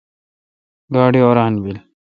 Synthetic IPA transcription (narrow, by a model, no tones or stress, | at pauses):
ɡaːɽioːɾaːnbil